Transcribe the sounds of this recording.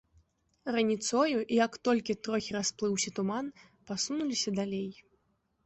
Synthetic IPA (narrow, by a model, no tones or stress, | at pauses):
rɐnʲit̪sɔjuʔijakt̪ɔlʲkʲit̪ɾɔxʲiɾasplˠɨwsʲɐt̪uman | pasunulʲisʲɐd̪alʲej